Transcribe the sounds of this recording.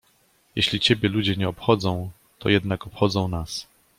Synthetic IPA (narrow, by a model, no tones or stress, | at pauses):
jeɕlʲit͡ɕebʲjɛlud͡ʑɛɲɛɔpxɔd̪zɔ̃w̃ | t̪ɔ̰jɛd̪nakɔpxɔd̪zɔ̃w̃nas